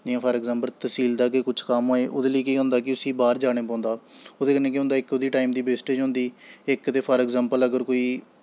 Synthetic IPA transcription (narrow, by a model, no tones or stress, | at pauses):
d͡ʒɪjãːpʰəɾɛːɡzãːmpəlt̪əsiːld̪aːkekʊt͡ʃʰkamaːeːʔoːd̪eːləiːkiːɦʊ̃nd̪aːkɪʊsiːbaːɾd͡ʒaːɽ̃eːpãːnd̪aːoːd̪eːkənːẽːkɪɦʊ̃nd̪aːɪkoːd̪iːʈaːimd̪iːbeːsʈeːd͡ʒɦʊ̃ːnd̪iːɪkt̪eːpʰəɾɛːɡzaːmpələɡəɾkoːiː